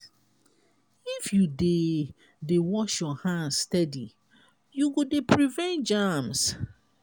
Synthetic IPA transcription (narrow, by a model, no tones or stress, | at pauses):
ifjude | dewɔʃjɔhãnstɛdi | juɡodepʰɾivɛ̃nt̚d͡ʒams